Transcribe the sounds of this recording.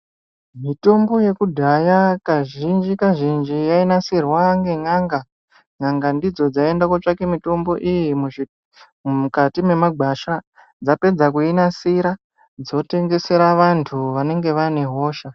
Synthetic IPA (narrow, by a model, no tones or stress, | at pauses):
mito̞mbo̞je̞kudʱajakaʒind͡ʒikaʒind͡ʒijainasirwaŋɡe̞ŋaŋɡa | ŋaŋɡandid͡zo̞d͡zae̞ndakot͡ʂake̞mito̞mbo̞ʔijimu | mukatime̞maɡʱaʃa | d͡zape̞d͡zak̬uinasiɾa | d͡zo̞te̞ŋɡe̞se̞ɾaʋantʰuʋane̞ŋɡe̞ʋane̞ɦo̞ːʃa